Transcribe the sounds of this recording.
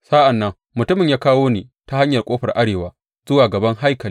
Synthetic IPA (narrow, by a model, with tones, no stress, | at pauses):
sa˦ʔa˨nːɐ˦ŋ | mʊ˨tʊ˦mɪ˨ɲjaː˦kaː˦woː˦neː˨ta˦ha˦ɲjɐ˨rkʷʼoː˦ɸɐ˨rʔa˦ɽeː˨waː˦ | z̥ʊ˦waː˨ɡɐ˨bɐ˦ŋɦa˦jkɐ˨li˦